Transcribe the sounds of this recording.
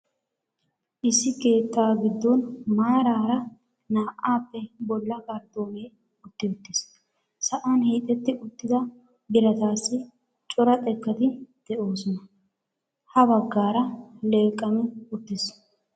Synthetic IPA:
ʔɪsːɪke̞ːt̪ːaːɡɪd̪ːɔnmaːɾaːɾɐ | naːʔaːpːɛbɔlːɐkʼɐɾt̪ːoːmeː | ʊt̪ːɪʊt̪ːɪs | sɐʔanhiːt̪ʼːɛt̪ːɪʔʊt̪ːɪd̪ɐ | bɪɾɐt̪aːsːɪ | t͡ʃʼɔɾɐt̪ʼɛkːɐt̪ɪd̪̥ɛʔo̞ːsɔnɐ | hɐbɐɡːaːɾɐleːkʼːɐmɛʊt̪ːɪs

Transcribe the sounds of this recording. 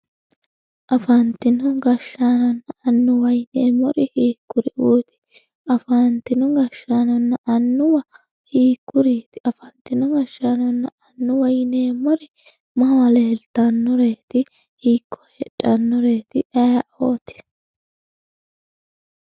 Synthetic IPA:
ʔɐfɐnt̪ɪnɔɡɐʃːaːnɔnːɐɐnːʊwɐjneːmɔɾɪhiːkːʊɾɪʔuːt̪ɪ̥ | ʔɐfant̪ɪnɔɡɐʃːaːnɔnːɐʔɐnːʊwɐ | hiːkːʊɾiːt̪ɪʔɐfɐnt̪ɪnɔɡɐʃːaːnɔnːɐɐnːʊwɐjneːmɔɾɪ | mɐwɐleːlt̪ɐnːɔɾe̞ːt̪ɪ | hiːkʰːɔ̥hɛᶑʼɐnːɔɾe̞ːt̪ɪʔɐjɐoːt̪ɪ̥

